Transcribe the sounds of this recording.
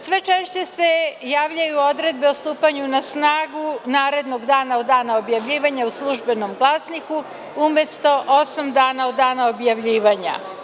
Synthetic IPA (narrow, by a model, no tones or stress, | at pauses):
sʋe̞t͡ʃeʃt͡ɕe̞se̞jaːʋʎajuo̞d̪ɾe̞d̪̚be̞ost̪uːpaɲunasnaːɡunaːɾe̞d̪no̞ɡd̪aːnaod̪ːaːnaobjaʋʎiːʋaɲauslˠuʒbe̞no̞mɡlˠasniku | umje̞st̪o̞ʔosamd̪aːnaod̪ːaːnaobjaʋʎiːʋaɲa̰